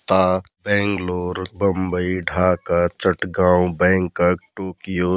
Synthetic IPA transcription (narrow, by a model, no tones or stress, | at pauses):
t̪abɛ̃ːŋɡloːɾbə̃mbəiɖʱaːkat͡ʃəʈɡãːwbɛ̃ːŋkəkʈoːkijo